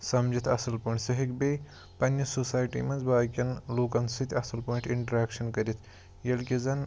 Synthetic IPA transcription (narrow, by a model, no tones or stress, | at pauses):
sɐmd͡ʒit̪ʰɐsɐlpoːɳʈsɐɦikbeː | pɐnːɐsoːsaːjʈḭːmɐnzbaːkʲɐnloːkɐnsit̪ʰʲɐsɐlpoːiɳʈiɳʈɐɾaːkʃɐnkɐɾit̪ʰ | jɐlkʲizɐn